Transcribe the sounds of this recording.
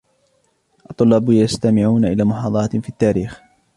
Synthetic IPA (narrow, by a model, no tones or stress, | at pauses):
ʔɑt̪ˤːʊlːɑːbjast̪amɪʕuːnaʔɪlaːmʊħɑːd̪ˤɑɾˤɑt̪fiːt̪ːaːɾiːx